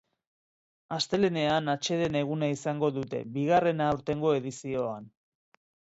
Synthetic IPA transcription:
ast̪e̞le̞ne̞anat͡ʃe̞ðe̞ne̞ɣ̞unaisaŋɡo̞ðut̪e̞̰biɣ̞are̞naːwɾt̪e̞ŋɡo̞e̞ðisio̞an

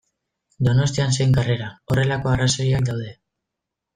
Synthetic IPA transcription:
d̪o̞no̞st̪ians̬e̞jŋɡare̞ɾao̞re̞lako̞araso̞jiak̚d̪awðe̞

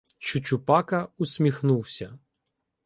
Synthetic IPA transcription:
t͡ʃʊt͡ʃʊpɑkɐʊsʲmʲixnuwsʲɐ

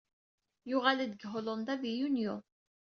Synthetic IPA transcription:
jʊʁalid̪əɡɦolond̪avijunjo

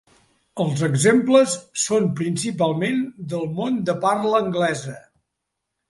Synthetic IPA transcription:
əlˠzəɡzempləsːonpɾinsipalˠmend̪əlˠmond̪əparləːŋɡlɛzə

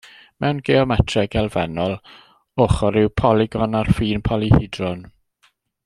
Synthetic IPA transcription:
mɛwnɡeɔmɛtʰrɛɡɛlˠvɛnɔlˠ | ʊχɔɾɪwpʰɔlˠɪɡɔnarfiːnpʰɔlˠihɪdrɔn

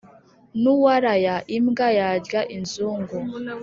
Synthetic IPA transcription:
nuwaɾajaʔimɡajaɟɡaʔinzuːŋɡo

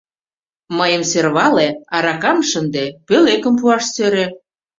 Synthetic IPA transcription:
məjə̆mserβɑleɑɾɑkɑmʃənd̪epølekə̆mpuɑʃsøɾe

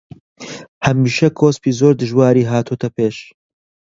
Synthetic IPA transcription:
hɐmiːʃɐkʰoːspiːzoːɾd̪ɨʒwaːɾiːɦaːt̪uut̪ʰɐpeːʃ

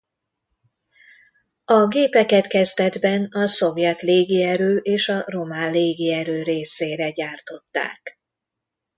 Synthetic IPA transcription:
ɒɡeːpɛkɛt̪kɛzt̪ɛd̪bɛnɒso̞vjɛt̪leːɡiɛɾøːʔeːʃɒro̞maːlleːɡiɛɾøːɾeːseːɾɛɟaːrt̪o̞t̪ːa̰ːk

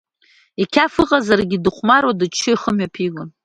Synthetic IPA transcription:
ikʲʰafɨqʼazarɡʲidɨχʷmaɾwadɨt͡ʃʰːɨiχəmɥapʰiɡʷʊn

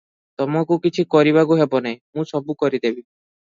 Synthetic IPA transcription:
t̪ɔmɔkukit͡ʃʰikɔɾibakuɦebɔnajmũsɔbukɔɾid̪ebi

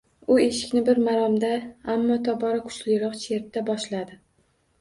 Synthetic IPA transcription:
ʊe̞ʃɪ̥kʲnɪbɪɾmaɾɒmd̪aamːɒt̪ʰɒbɒɾakʰʊ̥t͡ʃlɪjɾɒqt͡ʃʰe̞ɾt̪ːabɒʃlad̪ɪ

